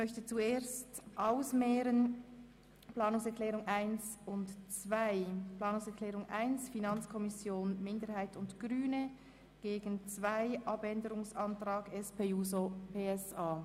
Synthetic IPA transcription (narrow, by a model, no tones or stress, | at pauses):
mœçtət͡sueːstʔaʊsmɛːɾən | plɑːnʊŋsɛɐkʰlɛːʁʊŋaɪnsʊntt͡sv̥aɪplaɑːnʊŋsɛɐkʰlɛːʁʊŋʔa̰ɪnsfinɑnt͡skʰɔmɪsjoːnmɪndəɾhaɪtʊndɡ̥ʁyːnə | ɡ̥eːɡən̩t͡svaɪʔɑbɛndəʁɾʊŋsɑntʁ̥aːɡɛspʰeːuːzopeːɛsaː